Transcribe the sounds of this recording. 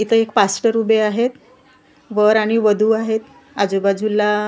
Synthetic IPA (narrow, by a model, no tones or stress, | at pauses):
it̪əekpasʈəɾubeaɦet̪ | ʋəɾaɽ̃iʋəd̪ʱuaɦet̪ | ad͡zubad͡zʱulːa